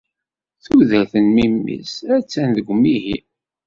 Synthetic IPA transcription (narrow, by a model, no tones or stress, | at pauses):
θuðælθənmimːḭsæt͡sːænðəɡʷmːiɦi